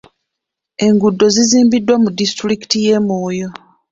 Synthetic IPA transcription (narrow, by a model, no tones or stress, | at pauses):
e̞ŋɡudːo̞ziziːmbidːwamudistɾiki̥tije̞moːjo̞